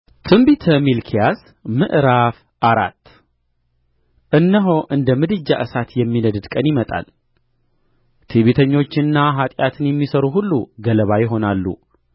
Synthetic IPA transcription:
t̪ʰɨmbit̪ʰəmilkʰijas | mɨʔɾaf | ʔaɾa̰t̪ː | ʔɨnːəɦo̞ʔɨnd̪əmɨd̪ɨd͡ʒːaʔɨsat̪jɛmːinəd̪ɨd̪kʼənjɪmət̪ʼa̰l | t̪ʰiβit̪ʰəɲːo̞t͡ʃːɪnːaɦat̪ʼjat̪ʰɨnjɛmːisəɾuɦulːuɡələβajɪɦo̞nalːṵ

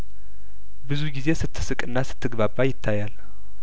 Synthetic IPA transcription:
bɨzuɡize̞sɨt̪ʰːɨ̥sɨkʼɨnːasɨ̥t̪ʰːɨɡβabːajɪt̪ʰːajal

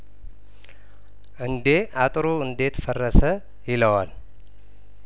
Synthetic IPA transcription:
ʔɨnd̪e̞at̪ʼɾoɨnd̪e̞t̪fərːəsə | jɪləwal

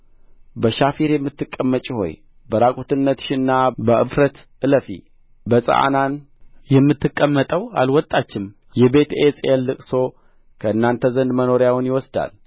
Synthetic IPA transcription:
bəʃafiɾjɛmːɨt̪ːɨkʼːəmːət͡ʃʼiho̞̰j | bəɾakʼot̪ɨnːət̪ʃɪnːabəʔɨ̰fɾət̪ʔɨləfḭ | bəsʼə̰ʔa̰nan | jɛmːɨt̪ʰːɨkʼːəmːət̪ʼəwa̰lwɔt̪ʼːat͡ʃːɪm | jɛbe̞t̪et͡sʼelːɨkʼso̞ | kʰəɨnːant̪ʰəzənd̪məno̞ɾjawʊnjɪwɔsd̪a̰l

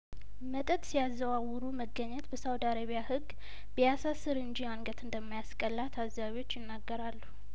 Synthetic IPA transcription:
mət̪ʼət̪ʼsijazːəwawːuɾuməɡːəɲːɛt̪bəsawd̪aɾəβijahɨɡː | bəjasasɨɾɨnd͡ʒianɡət̪ʰɨnd̪əmːajaskʼəlːat̪ʰazːaβiwo̞t͡ʃːjɪnːaɡːəɾalːu

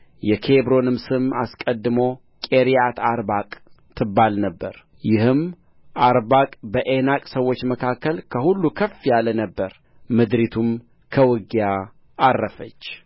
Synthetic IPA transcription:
jɛkʰebɾo̞nɨmsɨma̰skʼəd̪ːɨmo̞ | kʼe̞ɾijat̪ʰaɾbakʼt̪ʰɨbːalnəbːəɾ | jɪhɨm | ʔaɾbakʼbəʔe̞nakʼsəwːo̞t͡ʃːməkʰakːəlkʰəhulːukʰəfːjalənəbːəɾ | mɨd̪ɾit̪ʰum | kʰəwɨɡja | arːəfət͡ʃː

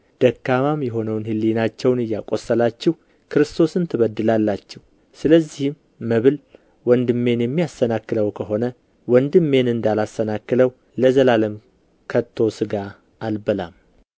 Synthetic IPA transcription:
d̪̥əkːamamjɛɦo̞nəwnhɨlːinat͡ʃːɛwnɨjːakʼo̞sːəlat͡ʃːɛh | kʰɨɾɨst̪ʰo̞sɨnt̪ʰɨβəd̪ːɨlalːat͡ʃːɛw | sɨləzːihɪmː | əβɨl | wɔnd̪ɨmːe̞njɛmːijasːənakːɨləwkʰəɦo̞nə | wɔnd̪ɨmːe̞nɨnd̪alasːənakːɨləw | ləzəlaləm | kʰət̪ʰːo̞sɨɡaː | lbəlam

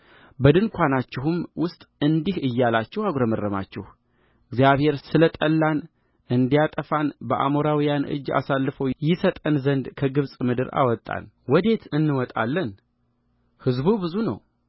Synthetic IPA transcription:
bəd̪ɨnkʷʰanat͡ʃːɪɦumwʊst̪ʼɨnd̪ihɨjːalat͡ʃːɛhaɡɾəmərːəma̰t͡ʃːɛ̰h | ɨɡzjaβhe̞ɾsɨlət̪ʼəlːan | ʔɨnd̪ijat̪ʼəfanbəʔa̰moɾawijanɨ̰d͡ʒːa̰salːɨfəwjɪsət̪ʼənzənd̪kʰəɡɨβsʼmɨd̪ɨɾa̰wɔt̪ʼːa̰n | wɔd̪e̞t̪ɨnːɨwɔt̪ʼa̰lːən | hɨzbubɨzunə̰w

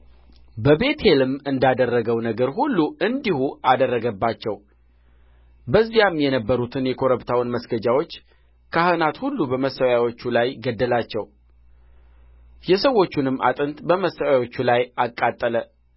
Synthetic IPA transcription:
bəbe̞t̪ʰe̞lɨmɨnd̪ad̪ərːəɡəwnəɡəɾɦulːuɨnd̪ihuʔad̪ərːəɡəbːat͡ʃːɛw | bəzːijamjɛnəbːəɾut̪ʰɨnjɛkʰo̞ɾəbt̪ʰawnməsɡəd͡ʒawo̞t͡ʃː | kʰahɨnat̪hulːubəməsəwjawo̞t͡ʃːulajɡəd̪ːəlat͡ʃːɛw | jɛsəwːo̞t͡ʃːunɨmːa̰t̪ʼɨnt̪bəməsːəwawo̞t͡ʃːulajakʼːat̪ʼːələ

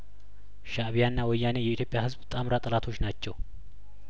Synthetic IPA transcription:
ʃaβijanːawɔjːanejɛit̪ʰjo̞pʼːjahɨzbt̪ʼamɾat̪ʼəlat̪ʰo̞t͡ʃːnat͡ʃːɛw

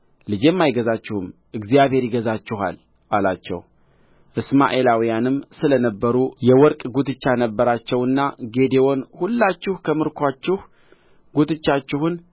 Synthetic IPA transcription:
lɨd͡ʒemːajɡəzat͡ʃːɪhɨm | ʔɨɡzijaβhe̞ɾjɪɡəzat͡ʃːɪɦa̰l | ʔalat͡ʃːɛ̰w | ʔɨsma̰ʔe̞lawijanɨmsɨlənəbːəɾujɛwɔɾkʼɡut̪ʰɨt͡ʃːanəbːəɾat͡ʃːɛwɨnːaɡe̞d̪ewo̞nhulːat͡ʃːɪhkʰəmɨɾkʰʷat͡ʃːɪh | ɡut̪ɨt͡ʃːat͡ʃːɪhʊn

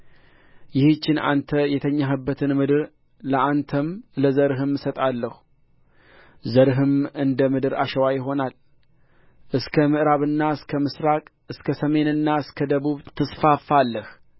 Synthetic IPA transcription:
jɪht͡ʃːɪnʔa̰nt̪ʰəjɛt̪ʰəɲːaɦɨbːət̪ʰɨnmɨd̪ɨɾ | ləʔant̪ʰəmləzəɾɨɦɨmːɨsət̪ʼalːəhu | zəɾɨɦɨmɨnd̪əmɨd̪ɨɾa̰ʃəwajɪɦo̞nal | ʔɨskʰəmɨʔɾaβɨnːaɨskʰəmɨsɾakʼ | ɨskʰəsəme̞nɨnːaɨskʰəd̪əβuβt̪ʰɨsfafːalːəh

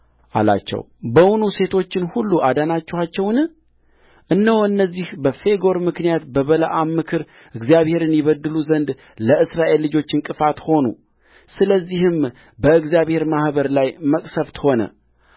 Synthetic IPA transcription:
ʔa̰la̰t͡ʃːɛ̰w | bəwunuse̞t̪ʰo̞t͡ʃːɪnhulːuʔad̪anat͡ʃːɛhat͡ʃːɛwnɨ | ʔɨnːəwɨnːəzːihbəfe̞ɡo̞ɾmɨknijat̪bəβələʔamːɨkʰɨɾ | ɨɡzjaβhe̞ɾɨnjɪβəd̪ːɨluzənd̪ | ləɨsɾaʔe̞lːɨd͡ʒo̞t͡ʃːɪnkʼɨfat̪ho̞nṵ | sɨləzːihɨm | bəɨɡzjaβhe̞ɾmahbəɾlajməkʼsəft̪ʰho̞nə̰

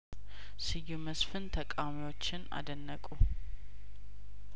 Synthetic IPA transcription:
sɨjuməsfɨnt̪ʰəkʼawmiwo̞t͡ʃːɪna̰d̪ənːəkʼu

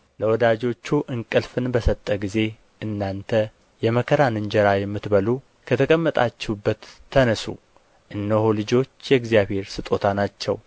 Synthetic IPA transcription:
ləwɔd̪ad͡ʒo̞t͡ʃːuʔɨŋkʼɨlfɨnbəsət̪ʼːəɡize̞ | ʔɨnːant̪ʰə | jɛməkʰəɾanɨɲd͡ʒɛɾajɛmːɨt̪bəlu | kʰət̪ʰəkʼəmːət̪ʼat͡ʃːɛubːət̪ʰːənəsṵ | ʔɨnːəholɨd͡ʒo̞t͡ʃːjɛɡzjaβhe̞ɾsɨt̪ʼo̞t̪ʰanat͡ʃːɛ̰w

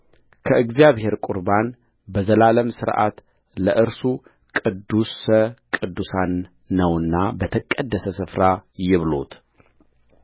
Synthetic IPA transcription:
kʰəʔɨɡzijaβhe̞ɾkʷʼʊɾban | bəzəlaləmsɨɾʔa̰t̪ | ləʔɨɾsu | kʼɨd̪ːusəkʼɨd̪ːusanː | əwɨnːabət̪ʰəkʼːəd̪ːəsəsɨfɾajɪβlo̞̰t̪

